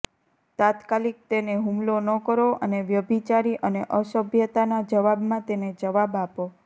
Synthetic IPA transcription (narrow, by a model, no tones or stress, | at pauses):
t̪at̪kalik̚t̪eneɦumlonəkəɾoʔəneʋjəbʱit͡ʃaɾiʔəneʔəʃəbʱjət̪anad͡ʒəʋabmãt̪ened͡ʒəʋabapo